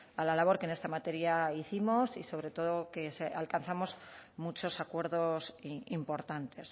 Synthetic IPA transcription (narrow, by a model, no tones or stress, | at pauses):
alalaβ̞o̞ɾkene̞st̪amat̪e̞ɾjaiθimo̞siso̞βɾe̞t̪o̞ðo̞ke̞sealkanθamo̞zmut͡ʃo̞sakwe̞ɾðo̞simpo̞ɾt̪ant̪e̞s